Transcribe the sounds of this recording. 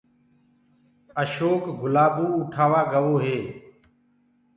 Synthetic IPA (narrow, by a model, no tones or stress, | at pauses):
əʃoːkɡʊlaːbuːʊʈʰaːʋaːɡəʋoːɦeː